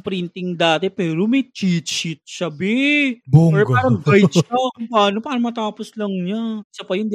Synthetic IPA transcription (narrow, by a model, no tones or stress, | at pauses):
pɾɪnt̪ɪŋd̪aːt̪ɛpɛːɾomɐjt͡ʃiːt̪t͡ʃɪt̪̚ʃɐbɪbuɛɡaːɾɐŋbɐjt̪t͡ʃapaːnopaːnɐmɐt̪aːposlɐŋɲasɐpɐjʊnd̪i